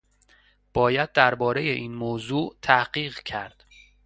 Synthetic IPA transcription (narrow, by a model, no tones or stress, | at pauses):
b̥ɒːjæd̪̚ːæɾbɒːɾejeʔiːnmoːzuːʔt̪ʰæhɢiːɣcʰæɾd̪̥